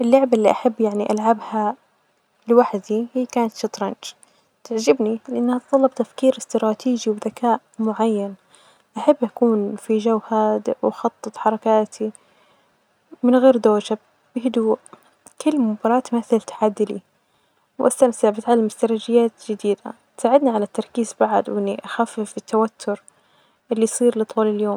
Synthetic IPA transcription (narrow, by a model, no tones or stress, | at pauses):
ʔɪlːʊʕbalːiʔaħabːjaʕniʔalʕabha | lɪwaħd̪ihiːkaːnat̪ʃɪt̪ˤɾˤɑnd͡ʒ | t̪ɪʕd͡ʒɪbnilɪʔanːhat̪t̪ˤɑlːɑb̚t̪afkiːɾɪst̪ɾˤɑːt̪ʰiːd͡ʒiwɪðakaːʔmʊʕajːan | ʔaħabːʔakuːnfid͡ʒawhaːd̪wxɑt̪ˤːɨt̪ˤħɑɾˤɑkaːt̪ʰi | mɪnɣeːɾd̪oːd͡ʒab | bɪhɪd̪uːʔ | kʊlːmʊbɑːɾˤɑːt̪maθɪlt̪ḁʕad̪ːɪlḭ | wʔa̰st̪amsaʕbɪt̪ʕalːamɪst̪ɑɾˤɑd͡ʒɪjːaːt̪d͡ʒɪd̪iːd̪a̰ | t̪saːʕɪd̪niʕalat̪ːɑɾˤkiːzbaʕad̪wʔɪnːiʔaxaːfɪfɪt̪ːawat̪ʰːʊɾ | ʔɪlːisˤiːɾlɨt̪ˤuːlɪljoːm